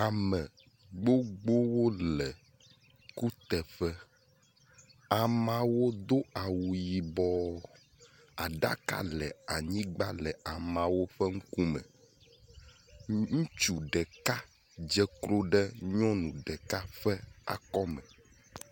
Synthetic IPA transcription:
a˨mɛ̃˨ | ɡ͡bo˦ɡ͡bo˦wo˦lɛ˨ | ku˦t̪ɛ˨ɸɛ˦ | a˨mã˨wo˦d̪o˦a˨wu˨ji˨bɔ˦ | a˨ɖa̰˦ka̰˦lɛ˨a˨ɲĩ˦ɡ͡ba˦lɛ˨a˨mã˨wo˦ɸɛ˦ŋ̩˦ku˦mɛ̰̃˨ | ŋũ˦t͡ʃu˨ɖɛ˨ka˦ | d͡ʒɛ˦klo˦ɖɛ˦ɲɔ̃˦nũ˨ɖɛ˨ka˦fɛ˦a̰˨kɔ˦mɛ˨

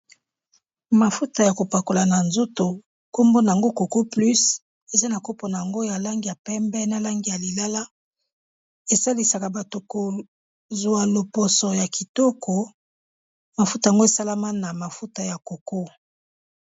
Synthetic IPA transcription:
ma˨fu˦ta˨ja˨ko˨pa˨ko˨la˨na˨nzo˦to˨ | ko˦mbo˦na˨ŋɡo˦ko˨ko˦ply˦s | e˨za˦na˨ko˦po˨na˨a˨ŋɡo˦ja˨la˦ŋɡi˨ja˨pɛ˦mbɛ˦na˨la˦ŋɡi˨ja˨li˨la˦la˦ | e˨sa˦li˦sa˨ka˨ba˨to˨ko˨ | zwa˨lo˨po˨sɔ˨ja˨ki˨tɔ˦kʰɔ˨ | ma˨fu˦ta˨ja˨ŋɡo˦e˨sa˦la˦ma˦na˨ma˨fu˦ta˨ja˨ko˨ko˦

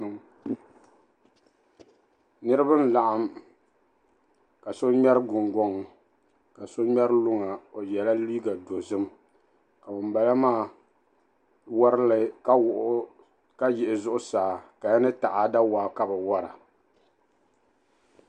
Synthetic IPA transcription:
nɨ˦ɾɨ˦ba˦n˦la˨ʔa˦m | ka˨so˦ɲɛ˦ɾɨ˦ɡʊ˨ŋɡɔ˦ŋ˨ | ka˨so˦ɲɛ˦ɾɨ˦lʊ˦ŋa˨o˨jɛ˨la˦liː˦ɡa˨do˨zɨ˦m | ka˨bɨ˨mba˨la˦maː˦˨ | wa˦ɾɨ˦lɨ˦ka˦wʊ˨ʔ | ka˦jɪ˨ʔɪ˨zʊ˦ʔʊ˦saː˨ka˨ja˦nɨ˦ta˨ʔa˨˦da˦waː˨˦ka˦bɨ˨wa˦ɾa˨

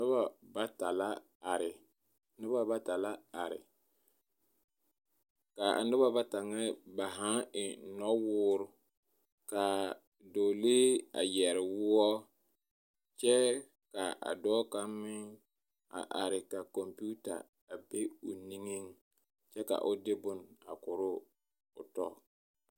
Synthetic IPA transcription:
nʊ˦ba˦ba˦ta˨la˦ | a˨ɾɪ˨ | nʊ˦ba˦ba˦ta˨la˦a˨ɾɪ̰˨ | ka˨ʔa̰˨nʊ˦ba˦ba˦ta˨ŋɛ˦ba˨ɦa˦ɪ˨nɔ˦wʊː˦ɾʊ˦ | ka˨ | do˨leː˦a̰˨jɛ˨ɾɪ˨wʊ˦ɔ˦ | t͡ʃɛ˦ | ka˨ʔa̰˨dɔː˦ka˦mːɪ˦ŋ | a̰˨ʔa˨ɾɪ˨ka˨kɔ˨mpu˦ta̰˨ | a˨be˦ʊ˨ni˦ŋe˦ŋ | t͡ʃɛ˦ka̰˨ʔʊ˨dɪ˦bʊ˦na̰˨kʊ˨ɾʊ˦ | ʊ̰˨tɔ˦˨

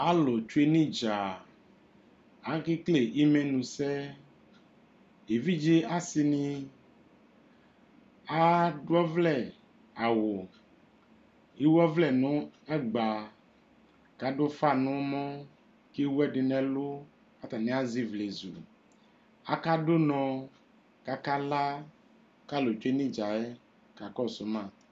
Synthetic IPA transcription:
a˦lo˨t͡ʃu˦e˦nĩ˦d͡ʒa˨ | a˦ki˦kle˨ʔi˦mẽ˦nũ˨sɛ˦ | e˨vi˦d͡ʒi˦a˦si˨nĩ˦ | a˦ɖo˦ɛ˦vlɛ˨ | a˨wo˨ | i˦wɛ˦vlɛ˨nõ˦ɛ˦ɡ͡ba˨ | ka˨ɖo˦fa˦nũ˦mɔ̃˦ | ke˦wu˦ɛ˦ɖe˨nɛ̃˨lo˦ | a˦t̪a˨nĩ˦a˦zi˦vle˨zṵ˨ | a˦ka˦ɖo˦nɔ̃˨ | ka˦ka˦la˦ | ka˦lo˨t͡ʃe˦nĩ˦d͡ʒa˨ɛ˦ | ka˨kɔ˦so˨˦mã˦˨

